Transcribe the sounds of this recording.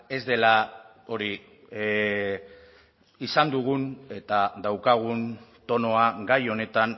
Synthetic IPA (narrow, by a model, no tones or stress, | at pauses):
e̞zd̪e̞la | o̞ɾi | isand̪uɣ̞une̞t̪ad̪awkaɣ̞unt̪o̞no̞aɡajo̞ne̞t̪an